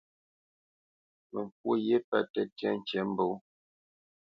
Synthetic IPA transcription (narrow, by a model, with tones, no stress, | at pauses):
mə˨ŋ˨k̚wo˦je˦pɛ˦tɛ˦tɛ˦n̩˨t͡ʃɛ˨˦m̩˦bo˨˦